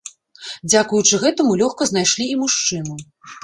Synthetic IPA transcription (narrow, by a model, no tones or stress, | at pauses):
d͡zʲakujut͡ʂɨɣɛt̪ɐmulʲɔxkɐznajʂlʲiːmuʂt͡ʂɨnu